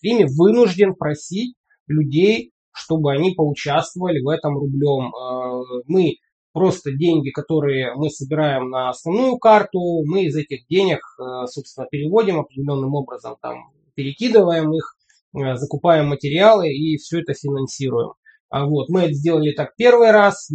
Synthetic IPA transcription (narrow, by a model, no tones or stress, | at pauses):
imʲɪvɨnʊʐdʲɪnpɾɐsʲitʲ | lʲʉdʲej | ʂt̪o̞bɨɐnʲipəʊt͡ɕast̪vəvəlʲɪvɛt̪əmrʊblʲo̞mː | ɨ | pɾo̞st̪ədʲenʲɡʲɪkɐt̪o̞ɾɨjəmɨsəbʲɪɾajɪmnəɐsnɐvnujʊkart̪ʊmɨɪzɛtʲɪxdʲenʲɪkːso̞pst̪vʲɪnəpʲɪɾʲɪvo̞dʲɪmɐpɾʲɪdʲɪlʲo̞nːɨmo̞bɾəzəmt̪a̰m | pʲɪɾʲɪkʲid̪ɨvəjɪmix | zəkʊpajɪmːətʲɪɾʲɪalˠɨifsʲɵɛt̪əfʲɪnɐnsʲiɾʊjɪ̰m | vo̞t̪mɨɛt̪əzʲdʲelˠəlʲɪt̪ak̚pʲe̞rvɨjras